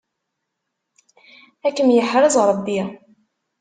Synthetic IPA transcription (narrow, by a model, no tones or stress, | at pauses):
ækːəmjəħɾˤəzˤʁɾˤəbːij